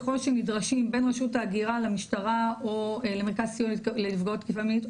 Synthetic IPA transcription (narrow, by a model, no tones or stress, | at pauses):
χolʃemidʁaʃimbe̞nʁeʃutaːɡiʁalamiʃtaʁaolemeʁkazsijonlelifɡaotkifamit